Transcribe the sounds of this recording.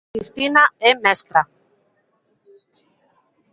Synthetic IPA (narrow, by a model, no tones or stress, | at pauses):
ist̪inaemest̪ɾa